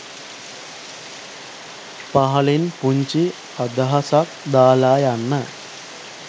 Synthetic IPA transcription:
paɦɐlinpuɲt͡ʃi | əd̪aɦasakd̪aːlaːjanːə

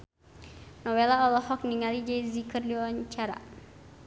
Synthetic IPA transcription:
nɔwɛlaɔlɔhɔk̚niŋalid͡ʒazikɨrliwawaɲt͡ʃaɾa̰

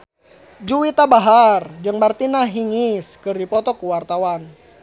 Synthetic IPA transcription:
d͡ʒuwit̪abaɦard͡ʒɨŋmart̪inaɦiŋiskɨrdipɔt̪ɔkuwart̪awan

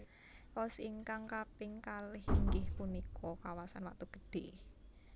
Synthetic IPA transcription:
ɔsiŋkaŋkapɪŋkalɪhikɪhpunikʰɔkawasanwak̚t̪uɡ̥ə̥ɖ̥e

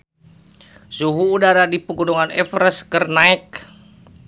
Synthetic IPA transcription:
suɦuːdaɾadipəɡunuŋanɛfɾəskərnaɛk̚

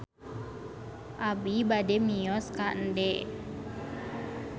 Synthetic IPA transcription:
ʔabibadɛmijɔskandɛʔ

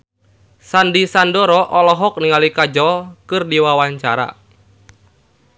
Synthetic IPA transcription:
sandisandɔɾɔʔɔlɔɦɔk̚niŋalikad͡ʒɔkɨrdiwawaɲt͡ʃaɾa̰

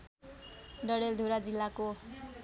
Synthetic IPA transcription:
ɖʌɽeld̪ʱuɾad͡zilːako

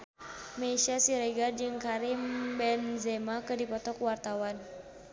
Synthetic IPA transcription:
mɛsiasiɾɛɡard͡ʒɨŋkaɾimbɛnzɛmakɨdipɔt̪ɔkwart̪awan

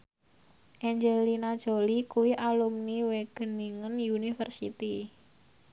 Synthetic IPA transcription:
ʔɛɲd͡ʒɛlinad̥ʒ̥o̤likuwiʔalumniweɡ̥ə̤niŋənjunifərsit̪i

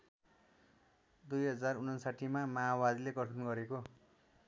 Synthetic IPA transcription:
d̪ujɦʌd͡zarunʌnsaʈʰimamaawad̪ileɡʌʈʰʌnɡʌɾeko

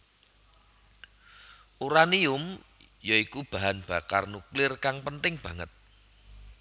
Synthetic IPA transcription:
ʔuɾaniʊm | jɔikub̥a̤ɦanb̥a̤karnuklɪrkaŋpənt̪ɪŋb̥ä̤ŋət̪̚

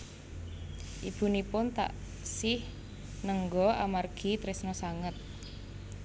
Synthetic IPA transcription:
ʔib̥ṳnipʊnt̪a̰ʔ | sɪh | nəŋɡɔamarɡ̥i̤t̪ɾɪsnɔsaŋət̪̚

